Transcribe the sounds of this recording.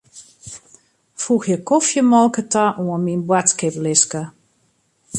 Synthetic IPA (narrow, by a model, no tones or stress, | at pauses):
fuxjəkɔfjəmɔlˠkətʰaʔuənminbwatkɪplɪskə